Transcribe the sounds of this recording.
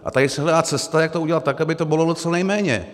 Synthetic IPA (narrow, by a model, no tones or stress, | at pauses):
ʔa̰t̪adɪsɛɦlɛdaːt͡sɛst̪ajak̚t̪ouɟɛlat̪ːakabɪt̪obɪlodot͡sɛnɛjmɛːɲɛ̰